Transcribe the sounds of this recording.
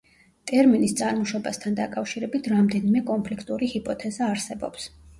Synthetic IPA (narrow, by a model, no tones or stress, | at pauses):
t̪ʼɛɾminist̪sʼaɾmɔʃɔbast̪ʰand̪akʼafʃiɾɛbit̪ʰɾamd̪ɛnimɛkʼɔnpʰlikʰt̪ʼuɾihipʼɔt̪ʰɛzaːɾsɛbɔ̰ps